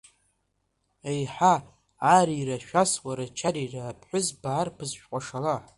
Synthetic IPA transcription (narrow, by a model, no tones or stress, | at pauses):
ejħaː | ɾiraʃᶣaswaɾat͡ʃʰaɾirapʰħʷᶣʊzbaːrpʰɨzʃʷᶣqʷʼaʂala